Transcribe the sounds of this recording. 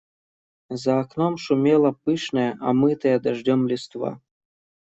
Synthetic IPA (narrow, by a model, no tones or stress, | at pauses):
zaːknomʃumʲelˠɑpɨʃnəʔamɨt̪əjad̪aʒdʲomlʲist̪vɑ̰